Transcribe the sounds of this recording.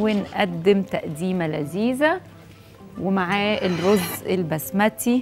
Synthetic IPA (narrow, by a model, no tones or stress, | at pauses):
wɪnʔæd̪ːɪmt̪æʔd̪iːmælæziːzæ | wɪmaʕaːʔelɾozːɪlbæsmæt̪i